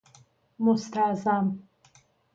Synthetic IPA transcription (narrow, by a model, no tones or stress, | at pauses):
must̪ʰazam